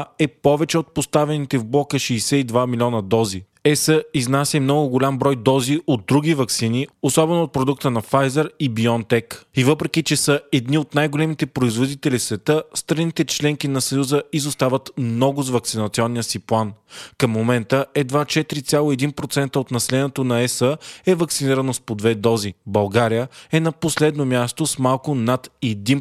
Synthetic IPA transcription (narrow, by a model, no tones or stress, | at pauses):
ɛpɔvɛt͡ʃɛot̪̚post̪avɛnit̪ɛvblˠɔkəʃɛjsɛid̪vamilʲiɔnəd̪ɔzi | ɛsəiznasʲɛmnɔɡʊɡolʲambɾɔjd̪ɔziʔod̪ːɾuɡivɐksiniosɔbɛnooːt̪̚pɾod̪ukt̪ənɐfajzəɾibiɔnt̪ɛkivɤpɾɛkit͡ʃɛsəɛd̪niot̪najɡolɛmit̪ɛpɾoizvod̪it̪ɛlisvɛt̪əst̪ɾɐnit̪ɛt͡ʃlɛŋk̟inɐsɐjuzəizost̪avət̪mnɔɡʊzvɐk̚tsinɐt̪siɔnːijəsiplˠankəmːomɛnt̪əɛd̪vat͡ʃɛt̪ɾit̪sʲjalˠoɛd̪inpɾot̪sɛnt̪əot̪nɐsɛlɛnɛt̪onɐɛsəɛvɐksiniɾənospod̪vɛd̪ɔzibɐlˠɡaɾijəɛnɐposlɛd̪nomʲjast̪osmalˠkʊnat̪ɛd̪in